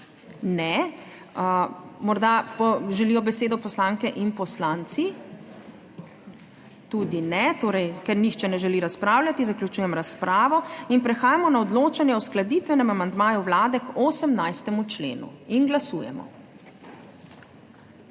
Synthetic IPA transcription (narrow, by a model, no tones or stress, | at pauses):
nɛ | mɔɾd̪apɔʒɛlijɔbɛseːd̪ɔpɔslaŋkɛʔinpɔslaːnt̪si | t̪uːd̪inɛt̪oːɾɛjkɛɾnixt͡ʃɛnɛʒɛliɾaspɾaːwlʲat̪izaklʲut͡ʃuːjɛmɾaspɾaːʋɔinpɾɛxaːjamɔnaɔd̪loːt͡ʃanjɛwsklad̪it̪ʋɛnɛmamand̪maːjuwlaːd̪ɛkoːsɛmnajst̪ɛmut͡ʃlḛːnṵinɡlasuːjɛ̰mɔ̰